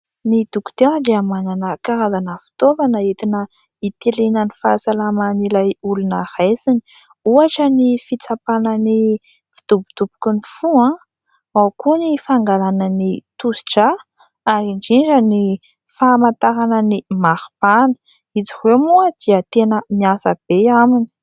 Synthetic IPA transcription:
nid̪uku̥t̪ewəd̪eamananəkaɾazanəfi̥t̪ovanəet̪inə | it̪elenənifasalamanilajulunahesini̥ | uaʈ͡ʂənifit͡sapanəni | fi̥t̪ubud̪̥ubu̥kunifuã | akunifaŋɡalanənit̪usi̥ʈ͡ʂa | aɾiɳd͡ʒind͡ʒəni | famant̪aɾanənimaɾpanə̥ | izihemuəd̪̥iət̪enəmiasəb̥eamini̥

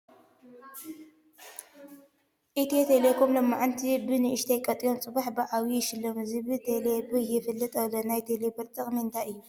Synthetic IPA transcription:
ʔɨt̪ʰit̪ʰelekʰomlɐmːaʔant̪ʰibɨnɨʔɨʃt̪ʰɐjkʼɐt̪ʼijomt͡sʼɨβaħbɨʔawiʃɨlːomɨzibɨt̪ʰelebɨjɪfɨlːɨt̪ʼɐlonajt̪ʰelebɨɾt̪ʼɨχʼmiɨnt̪ʰajɨjːu

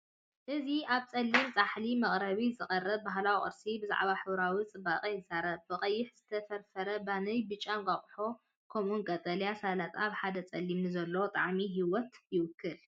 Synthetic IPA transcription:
ʔɨziʔaβt͡sʼɐlːimt͡sʼaħlimɐχʼɾɐβizɨχʼɐrɐβ̚baɦlawiχʼɨ̰ɾsibɨza̰ʕβaħɨwɾawit͡sʼɨbaqʼijzɨzaɾɐβbɨχʼɐjːɪħz̥ɨt̪ʰɐfɐɾfɐɾɐbanɐjbɨt͡ʃʼːamɡʼaχʼħo̞ | kʰomunkʼɐt̪ʼɐljasalat̪ʰʼaβħad̪ɐt͡sʼɐlːimnɨzɐlːot̪ʼa̰ʕmiɦiwɔt̪jɪwɨkʰːɨl

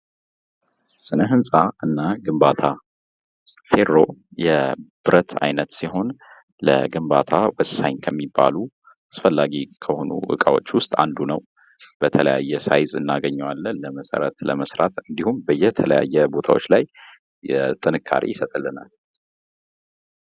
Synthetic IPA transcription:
sɨnəɦɨnsʼaɨnːaɡɨmbat̪ʰa | fe̞ɾːojɛb̥ɨɾʔət̪ʰa̰jnət̪siɦo̞n | lə̰ɡɨmbat̪ʰawəsːaɲkʰəmːibːa̰lu | asfəlːaɡikʰəho̞nṵʔɨ̰kʼawo̞̰t͡ʃːwʊst̪ʼa̰nd̪unəw | b̥ət̪ʰələja̰jːɛsa̰jzɨnːaɡəɲːɛwalːənləməsə̰ɾə̰t̪ləməsɾat̪ɨnd̪ihumbəjːɛt̪ʰələja̰jːɛbo̞t̪ʰawot͡ʃːlaj | ɛt̪ʼɨnɨkʰːa̰ɾḭjɪsət̪ʼɨlːɨna̰l

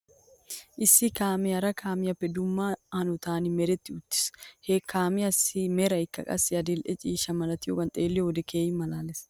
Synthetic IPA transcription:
ʔɪsːɪkaːmɪɐɾɐkʰaːmɪjɐpːɛd̪ʊmːaɐnʊt̪aːnɪmɛɾɛt̪ːɪʊt̪ːɪ̥shekːaːmɪɐsimɛɾɐɪkːɐ̰kʼɐ̰sɪɐd̪ɪlʔɛt͡ʃʼiːʃɐmɐlɐt̪ɪjokɐnt̪ʼeːlːɪɔd̪ɛkʰeːjɪmɐlaːlɛs

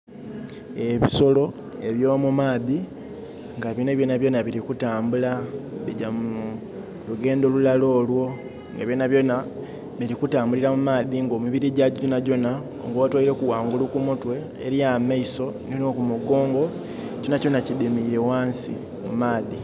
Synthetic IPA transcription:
e̞βiso̞lo̞ | e̞βjo̞ːmumaːði | ŋɡaβjoneβjonaβjo̞ːnaβiɾikutaːmbulaβiɟamu | luɡe̞ːndo̞lulalo̞ːlwo̞ | ŋɡaβjoːnaβjo̞na | βiɾikutaːmbuliɾamumaːðiŋɡo̞miβiɾiɟaɟonaɟo̞na | o̰ŋɡoːtwaiɾe̞kuwaːŋɡulukumutwe̞̰ːɾijamaiso̞ninokumuɡo̞ːŋɡo̞ | conaco̞nacidimiɾe̞waːnsḭ | mumaːði

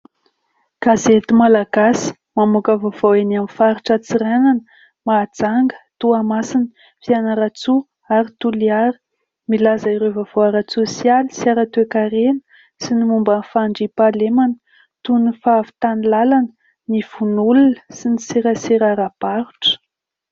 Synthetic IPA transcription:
ɡ̥azet̪imalaɡ̥asi̥ | mamukəvov̥oenamifaɾiʈ͡ʂat͡siɾananə | mad͡zaŋɡə̥t̪uamasinə̥ | fianəɾat͡su | aɾit̪uliaɾi̥ | milazaiɾevav̥oaɾat͡susialisiaɾat̪ekaɾenə̥ | sinimumbəfaɳɖ͡ʐipalemanə̥ | t̪unifavi̥t̪anilalanə | niv̥unulunə̥sinisiɾəsiɾaɾapaɾu̥ʈ͡ʂə̥

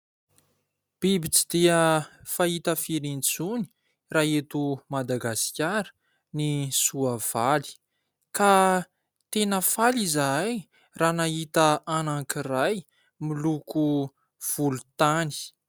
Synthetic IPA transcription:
b̥ibit͡si̥d̪̥iəfaɦit̪əfiɾint͡suni̥ | raɦet̪umad̪aɡasi̥kʲaɾə̥ | nisuav̥ali̥ | ka | t̪enəfalizaj | raːnaɦit̪əanaŋkiraj | miluku | v̥ulut̪ani̥

